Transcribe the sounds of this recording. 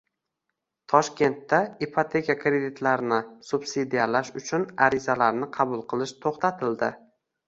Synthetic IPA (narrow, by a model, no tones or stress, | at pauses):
t̪ʰɒʃkʲe̞nt̪ːaipʰot̪ʰe̞kʲakɾe̞d̪it̪ʰlaɾnɪsub̥sid̪ijalaʃʊt͡ʃʰʊnaɾɪzalaɾnɪqʰɑbʊlˠqʰɨlˠɪʃt̪ʰoχt̪ʰat̪ʰɪld̪ɪ